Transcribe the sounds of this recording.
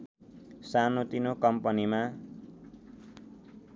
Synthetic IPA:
sanot̪inokʌmpʌnima

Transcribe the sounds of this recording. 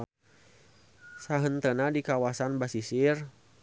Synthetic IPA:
saɦənt̪ənadikawasanbasisir

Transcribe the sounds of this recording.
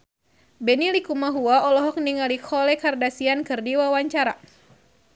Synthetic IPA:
bɛnilikumaɦuaɔlɔɦɔk̚niŋalikʰɔlɛkardasiankɨrdiwawaɲt͡ʃaɾa

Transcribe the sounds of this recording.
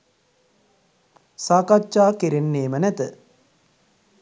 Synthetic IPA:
saːkat͡ʃːaːkeɾenːeːmənæt̪ə

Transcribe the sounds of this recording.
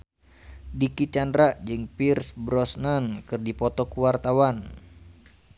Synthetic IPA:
dikit͡ʃandɾaʔd͡ʒɨŋpirsbɾɔsnankɨrdipɔt̪ɔkuwart̪awan

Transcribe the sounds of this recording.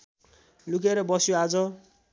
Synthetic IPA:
lukeɾʌbʌsjoad͡zʌ

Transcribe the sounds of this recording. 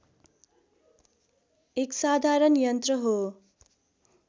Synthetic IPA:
eksad̪ʱaɾʌnjʌnt̪rʌɦo

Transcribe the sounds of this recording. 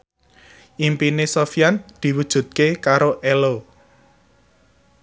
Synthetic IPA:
ʔimpinesofijand̪̥i̤wud̥ʒ̥ṳt̪̚kekaɾoʔɛlo

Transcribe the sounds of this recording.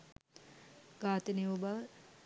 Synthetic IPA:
ɡ̥aːt̪əneubaʋə

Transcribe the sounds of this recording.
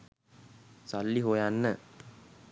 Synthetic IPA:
salːiɦojanːə

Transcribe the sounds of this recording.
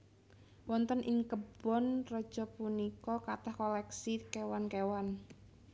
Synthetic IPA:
wɔnt̪ənʔiŋkəb̥ɔnrɔd̥ʒ̥ɔpunikɔkat̪ahkɔlɛksikewankewan

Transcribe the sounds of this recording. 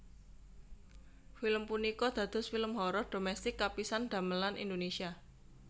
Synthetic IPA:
filəmpunikɔd̪̥ä̤d̪̥ɔ̤sfiləmɦɔɾɔɖ̥o̤mɛst̪ɪkːapisanɖ̪̥a̤məlanḭnd̪onesia

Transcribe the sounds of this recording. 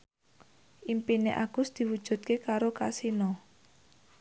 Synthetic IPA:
ʔimpinḛʔa̰ɡ̥ʊ̤sd̪̥i̤wud̥ʒ̥ṳt̪̚kekaɾokasinɔ

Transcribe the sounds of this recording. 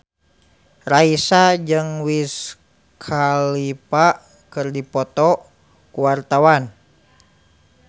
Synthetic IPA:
raisad͡ʒɨŋwis | kʰalipa | kɨrdipɔt̪ɔ | kuwart̪awan

